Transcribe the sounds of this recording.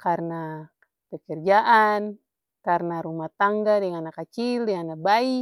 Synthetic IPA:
karna | pəkərd͡ʒaʔan | karnaɾumaht̪aŋɡadɛŋanakat͡ʃildɛŋanabai

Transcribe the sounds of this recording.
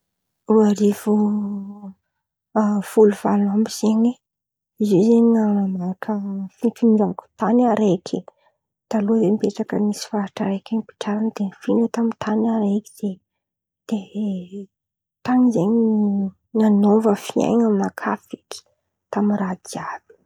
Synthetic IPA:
ruaɾivu | v̥uluv̥alnambiz̥eɲi | izizeɲiŋanamakʰəfiʈ͡ʂuniɖ͡ʐavku̥t̪anaɾekʰe | d̪̥alozembeʈ͡ʂakənisi̥faaʈ͡ʂəɾekʲeɲipi̥ʈ͡ʂaɾanəd̪̥efinewt̪amit̪ʰanaɾeki̥d̥e | d̪̥e | t̪aŋizeɲi | nanovəfia̰jɲammakʰafiki̥ | t̪aminrad̪iab̥i̥

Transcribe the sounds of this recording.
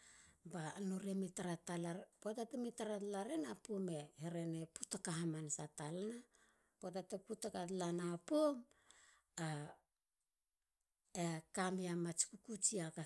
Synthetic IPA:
banoɾemitaɾatalapotatemitaɾatlaɾenapomeheɾe̞ne̞putakaɦamansatalana | potateputakatlanapom | a | ekamiamat͡ʃi̥kukut͡ʃiaka

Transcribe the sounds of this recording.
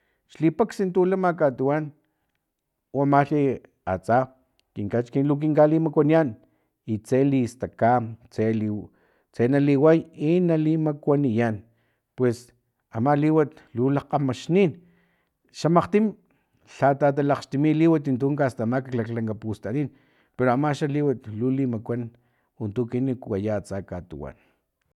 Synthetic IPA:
ʃlipaksint̪ulamakat̪uwan | oamaɬi | a̰t͡sa | kiŋkat͡ʃkinlok̬iŋkalimakʷanian | it͡selist̪akat͡seli | t͡senaliwajinalimakʷanijan | pwes | amaliwat̪lulaqamaʃnin | ʃamaqt̪im | ɬat̪at̪̬alaqʃt̪imiliwat̪int̪uːŋkast̪amakiklaklaŋkapust̪aniːn | peɾoamaʃaliwat̪lulimakʷan | ont̪ukinikwajat͡sakat̪ṵwa̰n

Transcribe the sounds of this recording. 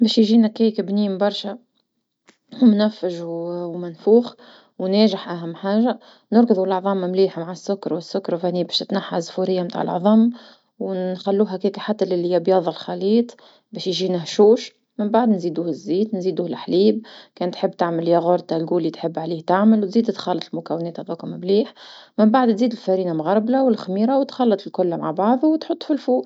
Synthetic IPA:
bɛːʃjʒiːnækiːkbniːmbɑɾˤʃa | wmnæfːɪʒwmɪnfuːx | wnɛːʒɪħʔæɦæmːħaːʒa | nʊɾɡɨðˤulʔɑʕðˤɑːmmliːħmaʕasːʊkːɑɾˤwɪsːʊkːɑɾˤfæniːbɛːʃt̪ɪt̪naħːazːfuɾɪjːamt̪a̰ːʕə̰lʔʕðˤɑm | wxælːuːɦækɛːkaħat̪ːælɪlːijæbjɑːðˤɪlxɑliːt̪ˤ | bɛːʃjʒinæɦʃuːʃ | mɪmbaʕd̪nziːd̪uːhɪzːiːt̪nziːd̪uːhlħliːb̚kɛːnt̪ħɪbːt̪aʕməljæɣʊɾˤt̪alɡuːlːit̪ħɪbːʕaliːht̪aʕməlwt̪ziːd̪t̪xɑlːɑt̪ˤlmʊkæwɪnɛːt̪hɑðˤɑkʊmmliːħmɪmbaʕd̪t̪ziːd̪ɪlfæɾiːnamɣɑɾˤblawɪlxmiːɾawt̪xɑlːɑt̪ˤɪlkʊlːmaʕbɑʕðˤwt̪ħʊt̪ˤːfilfuːʔ

